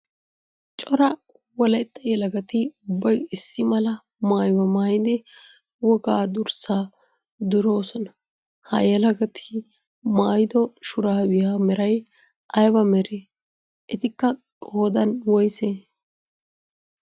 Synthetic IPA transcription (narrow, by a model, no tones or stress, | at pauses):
t͡ʃʼɔɾɐ | wɔlɐjt̪ʼːɐjɛlɐɡɐt̪ɪʊbːɐjɪsːɪmɐlɐ | maːjbɐmaːjɪd̪ɪ | wɔɡaːd̪ʊɾsaː | d̪ʊɾo̞ːsɔnɐ | hɐ̰jɛlɐɡɐt̪ʰɪ̥ | maːjɪd̪ɔʃʊɾaːbɪjaːmɛɾɐj | ʔɐjbɐmɛɾeː | ʔɛt̪ɪkːɐkʼo̞ːd̪ɐnwɔjseː